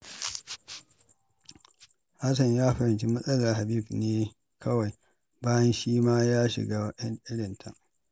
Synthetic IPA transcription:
ha˦s̬ɐ˨ɲjaː˦ɸɐ˨ɾɪ˨nt͡ʃi˦mɐ˦sʼɐ˦la˨ha˨biː˦˨bneː˦ | kʰɐ˦wa˨j | baː˦jɐ˦nʃiː˦maː˦jaː˦ʃɪ̰˨ɡaː˦wɗɐ˦nʔɪ˦ɽɪ˨ntʰɐ̰˦

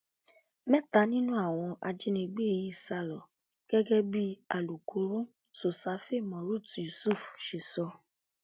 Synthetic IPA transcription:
mɛ˦˨ta˧˦nĩ˦nũ˦a˦˨w̃ɔ̃˧ʔa˧d͡ʒe˦nĩ˧ɡ͡be˦e˨ji˦˨sa˧lɔ˨ | ɡ̥ɛ˦ɡɛ˦bi˦a˨lu˨kʰo˨˦ɾũ˦so˨sa˨˦fe˦˨mɔ̃˨ɾu˦˨tju˨su˦˨fʃe˨sɔ˧˦

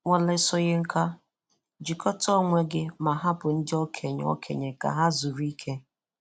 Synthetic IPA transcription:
ŋʷɔ˨le˦sɔ˦ɣɪ˦ŋ̩˦kʰa˦ | d͡ʒi˨kɔ˦tɔ˦˨ŋʷe˦ɡɪ˦ma˨ɦa˦bʊ˨n̩˦dɪ˦ɔ˦kʰe˨ɲ̰˨˦ɔ̰˦kʰe˨ɲe˨ka̰˨ɦa˦zu˨ɾi˦kʰe˦

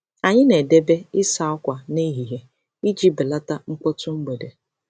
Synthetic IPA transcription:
a˨ɲɪ˦ne˨de˦be˦ɪ˦sa˨ɔ˦kʷa˨ne˦i˦ɦi˨ɦe˨ | i˦d͡ʒi˦bɪ˨la˦ta˦ŋ̩˦kʷɔ˦tu˦m̩˦bo˨de˨

